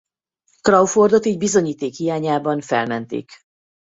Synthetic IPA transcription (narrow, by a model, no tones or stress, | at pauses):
krɒwford̪o̞t̪iːɟbizo̞ɲiːt̪eːkhijaːɲaːbɒɱfɛ̰lmɛnt̪ḛːk